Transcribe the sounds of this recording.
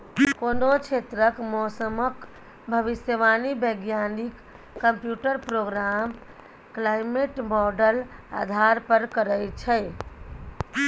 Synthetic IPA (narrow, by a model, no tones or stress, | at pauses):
konot͡ʃʰet̪ɾəkmɔsəmək | bʱəʋisjəʋanibəɡjanikː | əmpjuʈəɾpɾoɡɾam | klajmeʈmɔɖəla̰d̪ʱaɾpəɾkəɾəjt͡ʃʰəj